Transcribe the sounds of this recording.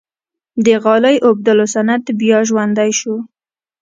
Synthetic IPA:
d̪əɣɑləjʔob̚d̪əlosanad̪bjɑʒwand̪ajʃu

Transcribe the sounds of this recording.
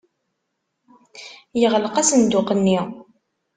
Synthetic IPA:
jəʁlqæsənd̪ʊqənːi

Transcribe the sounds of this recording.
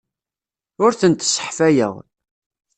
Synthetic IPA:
ʊɾθənt̪sːə̥ħfæjə̰ʁ

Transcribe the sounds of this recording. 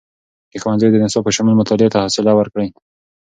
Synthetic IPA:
kexwanzəjd̪ənɪsopəʃamulmʊt̪ɑlɪet̪ahɑsɪlawəɾkɽəj

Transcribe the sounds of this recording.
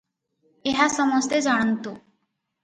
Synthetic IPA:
eɦasɔmɔst̪ed͡ʑaɽ̃ant̪o

